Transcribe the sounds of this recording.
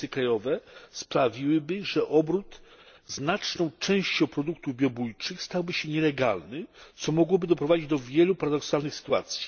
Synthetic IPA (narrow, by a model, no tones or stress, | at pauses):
ɘkɾajɔvɛspɾavʲiwɘbɘʐɛʔɔbɾut̪znat͡ʂnɔ̃w̃t͡ʂɛ̃w̃ɕt͡ɕɔ̃w̃pɾɔd̪ukt̪uvbʲjɔbujt͡ʂɘxst̪awbɘɕɛɲɛlɛɡa̰lnɘt̪sɔmɔɡwɔbɘd̪ɔpɾɔvad͡ʑid͡ʑd̪ɔvʲjɛlupaɾad̪ɔksalnɘxsɘ̥t̪ua̰t̪sʲji̥